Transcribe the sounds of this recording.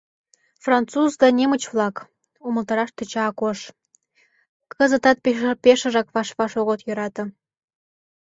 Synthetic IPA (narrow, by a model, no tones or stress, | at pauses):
frɑnt͡suzd̪ɑnʲemə̆t͡ɕvlˠɑk | uməlt̪ɑɾɑʃt̪ə̆t͡ɕɑːkoʃ | kə̆zə̆t̪ɑt̪̚ppeʃə̆ʒɑkβɑʃβɑʃoɣot̪jø̆ɾɑt̪ɤ̆